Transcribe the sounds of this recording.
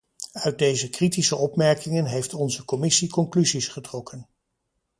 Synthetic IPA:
œɥt̚dejzəkritisəɔpmɛɹkɪŋənɦejftɔnzəkɔmɪsikɔŋklyzisχətrɔkʰən

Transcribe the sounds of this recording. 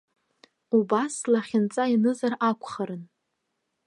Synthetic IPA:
ubaslaχʲɪnt͡sʼainɨzarakʷʰʼχaɾɨn

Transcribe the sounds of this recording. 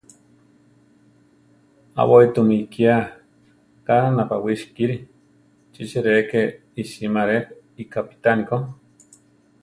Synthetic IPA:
a̰wait̪umikia | kananapawiʃkiɾi | t͡ʃit͡ʃiɾeke | iʃimaɾe | ikapi̥t̪aniko

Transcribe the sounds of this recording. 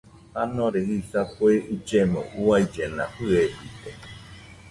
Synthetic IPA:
hanõɾehisapueʔud͡ʒemõ̰ʔuaid͡ʒenã̰ɸɨebit̪e

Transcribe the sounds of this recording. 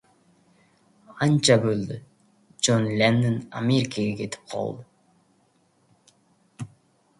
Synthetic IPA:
ɑnt͡ʃabøld̪y | d͡ʒonlʲenːɪna̰mʲeɾʲɪkaɡeke̞t̪i̥p̚qʰɑ̰lˠd̪ʊ

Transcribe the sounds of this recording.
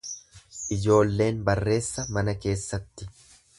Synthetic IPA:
ʔɪd͡ʒo̞ːlːe̞ːnbɐrːe̞ːsːɐmɐnɐke̞ːsːɐt̪ːɪ

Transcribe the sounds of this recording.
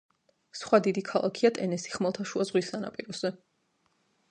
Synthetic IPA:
sχwad̪id̪ikʰalˠa̰kʰiat̪ʼɛnɛsi̥χmalˠt̪ʰaʃuazʁwisana̰pʼiɾɔz̥ɛ

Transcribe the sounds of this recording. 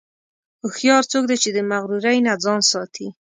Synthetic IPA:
ʊxjɑɾt͡sok̚d̪at͡ʃed̪əmaɣɾuɾajnad͡zɑnsɑt̪ʰi

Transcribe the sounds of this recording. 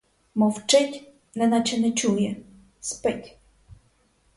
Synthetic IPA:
mɔwt͡ʂɪtʲ | nlɛnɑt͡ʃɛnɛt͡ʃujɛ | spɪtʲ

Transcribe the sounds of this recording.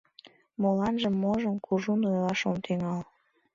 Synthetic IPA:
molɑnʒəmːoʒəmkʰuʒunojlɑʃomt̪ʰeŋɑl

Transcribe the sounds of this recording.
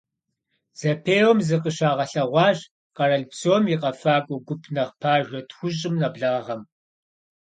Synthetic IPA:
z̥ɐpʰeːwɔmzɨqəʃaːʁɐɬɐʁʷɑːʑ | qɐɾɐɮpsoːmiqʼɐfaːkʷʼɔɡʷʊpʰnɐχpʰaːʒʷɐtxʷʊɕʼɪmnɐbɮaːʁɐm

